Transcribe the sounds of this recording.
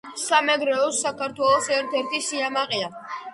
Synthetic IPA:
samɛɡɾɛɔsːakʰaɾt̪ʰwɛlˠɔsɛɾt̪ʰɛɾt̪ʰisiamaqʼia

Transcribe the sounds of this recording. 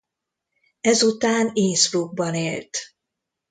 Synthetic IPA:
ɛzut̪aːneːsfluɡ̚bɒneːlt̪

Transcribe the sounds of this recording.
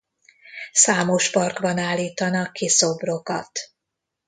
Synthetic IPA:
saːmo̞ʃpɒrɡbɒnaːlːiːt̪ɒnɒkːiso̞bro̞kɒ̰t̪

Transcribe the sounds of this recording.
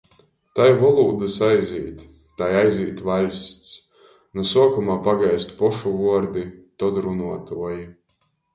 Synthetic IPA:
t̪ajvɔlˠuːd̪ɨsajzḭːt̪ | t̪ːajajziːt̪valʲst̪s | nusuɔkumaːpaɡajst̪pɔʃuvuɔɾd̪it̪ɔd̪ɾunuɔt̪uɔji

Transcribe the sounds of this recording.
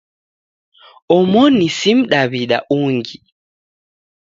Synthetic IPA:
ɔmonisimɗaβiɗa̰ʔuŋɡi

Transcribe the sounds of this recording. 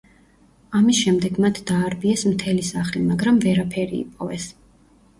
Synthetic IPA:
amisʃɛmd̪ɛɡmat̪ʰd̪aːɾbiɛsmt̪ʰɛlisaχlimaɡɾamvɛɾapʰɛɾḭḭpʼɔvɛs

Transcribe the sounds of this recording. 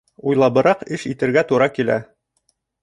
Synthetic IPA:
ujlˠɑβɤ̆ɾɑqɘʃit̪ɘ̆ɾɡæt̪uɾɑkilæ̰

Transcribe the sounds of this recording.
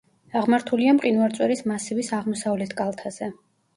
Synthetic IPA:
aʁmaɾt̪ʰuliamqʼinwɛlt̪sʼwɛɾismasivisaʁmɔsavlɛt̪ʰkʼalˠt̪ʰaz̥ɛ

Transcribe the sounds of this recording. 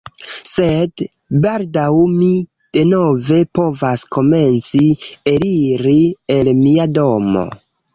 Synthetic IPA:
se̞d | baldawmi | d̥e̞no̞ve̞po̞vasko̞me̞nt͡sieɾiɾielmiado̞mo̞̰

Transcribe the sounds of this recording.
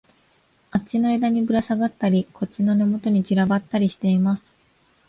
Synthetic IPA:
at͡ɕino̞e̞d̪aɲ̟ibɯ̟ɾasaɡat̪ːaɾʲikʰo̞t͡ɕino̞ne̞mo̞t̪o̞ɲ̟id͡ʑiɾabat̪ːaɾʲiɕi̥t̪e̞imasɨ̥

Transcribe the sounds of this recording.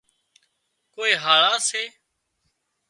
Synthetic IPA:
koːeːɦaːɭaːseː

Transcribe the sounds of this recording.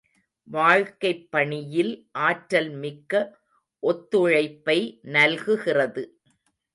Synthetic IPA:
ʋaːɻkɐɪpːɐɳɪjɪlʔaːʈɾɐlmɪkːɐ | ʔɔt̪ːɯɻɐɪpːɐɪnɐlɣɯɣɪrɐðɯ

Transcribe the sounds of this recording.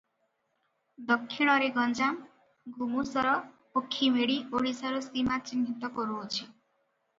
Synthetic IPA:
d̪ɔkʰːiɽ̃ʌɾeɡɔnd͡ʒam | ɡʱumusɔɾɔ | okʰːimʱeɽioɽisaɾusimat͡ʃinːit̪ɔkɔɾuɦot͡ʃʰi

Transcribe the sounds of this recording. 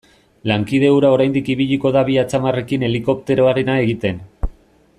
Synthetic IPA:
laŋkið̞e̞uɾao̞ɾajnd̪ikiβ̞iʎiko̞ðaβiat͡samare̞kine̞liko̞p̚t̪e̞ɾo̞aɾe̞nae̞ɣit̪e̞n

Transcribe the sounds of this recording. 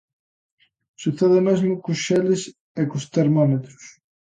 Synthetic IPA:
suθeðɪmezmʊkusʃelɪs | ekust̪eɾmɔmet̪ɾʊs

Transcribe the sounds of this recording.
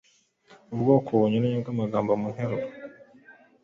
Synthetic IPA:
ubɡo̞ːkʰoβoɲuneɲuɡamaɡaːmbomuŋ̥heɾo

